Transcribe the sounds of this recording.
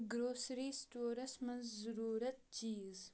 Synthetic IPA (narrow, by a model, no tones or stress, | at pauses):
ɡɾoːsɾiːst̪oːɾɐsmənzzuɾuːɾɐt̪̚t͡ʃiːz